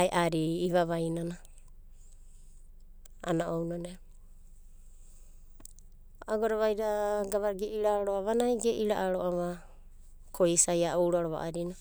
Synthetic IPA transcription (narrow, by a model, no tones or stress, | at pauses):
aeʔaɾiːβaβajnana | a̰naʔownane | aɡoɾaβajɾaɡaβaɾɡeʔiɾaɾoaβanajɡeʔiɾaʔaɾoʔaβa | kʰoisajaowɾaɾoβa̰ʔaɾina